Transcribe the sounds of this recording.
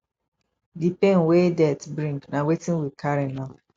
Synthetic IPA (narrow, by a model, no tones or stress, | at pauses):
dipẽnwedɛtbɾĩŋɡnãwetĩnwid̚kʰaɾĩnã